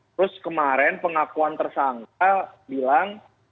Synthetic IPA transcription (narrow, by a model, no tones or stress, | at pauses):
t̪ɾʊskəmaɾɛnpəŋakuant̪ərsaŋk̚abilaŋ